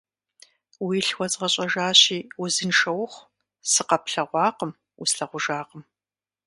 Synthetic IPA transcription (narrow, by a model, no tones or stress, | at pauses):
wiːɬwʷɔt͡sʼʁɐɕʼɐʒaːɕiːʊzɨnʂɐwχʷ | sɨqɐpɬɐʁʷɑːqəm | usɬɐʁʷʊʒaːqəm